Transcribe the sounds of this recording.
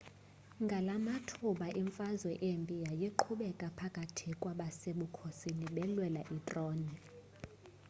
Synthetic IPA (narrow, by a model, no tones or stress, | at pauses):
ŋɡʱalamatʰuɓaʔiɱfazwɛʔembʼijajeǃʰuɓɛkʼapʰakʼatʰikʼwaɓaseɓukʰosiniɓɛlwɛlaʔitʼroːni